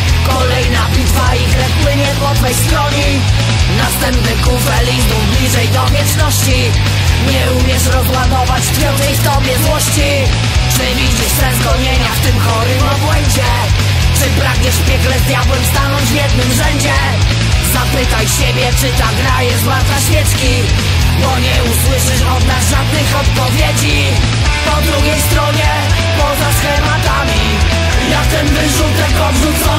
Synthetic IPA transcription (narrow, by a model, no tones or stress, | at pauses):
kɔlɛjnapʲit̪vaixlɛkpwɘɲɛd̪wɔt̪vɛjst̪ɾɔɲi | nast̪ɛmpnɛkufɛlʲid̪ublʲiʐɛjd̪ɔmʲjɛt͡ʂnɔɕt͡ɕi | ɲɛumʲjɛʂɾɔzwad̪ɔvat͡ɕp̪ʲɛw̃d͡ʑɛjft̪ɔbʲjɛzwɔɕt͡ɕi | ʂɘvʲid͡ʑiʂt̪ɛzɡɔɲɛɲaft̪ɘmxɔɾɪmɔbwɛɲd͡ʑɛ | t͡ʂɨpɾaɡɲɛʂpʲjɛɡlɛzɲjawɛmst̪anɔɲd͡ʑvʲjɛd̪nɘmʐɛɲd͡ʑɛ | zapɘt̪ajɕebʲjɛt͡ʂɘt̪aɡɾajɛʐvwaɾt̪zaɕmʲjɛt͡ʂkʲi | bɔɲɛuswɘʂɘʂɔd̪nazʐad̪nɘxɔt̪pɔvʲjed͡ʑi | pɔd̪ɾuɡʲɛjst̪ɾɔɲɛ | pɔzasfɛmat̪amʲi | j̪at̪ɛnvɘʂut̪ɛkɔvʐut̪sɔ